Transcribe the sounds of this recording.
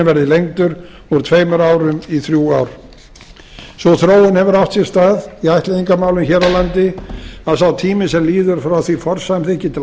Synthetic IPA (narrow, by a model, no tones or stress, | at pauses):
ɛvɛɾðɪlejŋt̪ʏɾ | ɔɣɾt̪ʰveːjmʏɾaːwɾʏmiθɾjuːaːwɾ̥ | sɔθɾoːwɪnhɛvʏɾaft̪sjɛɾ̥st̪aːðiajht̪lɪðiŋkamawlʏnçɛɾalant̪ɪaðsawt̪ʰiːmɪsɛmliːðʏɾ̥fɾawθifɔɾ̥sajmθɪhcɪt̪ʰɪl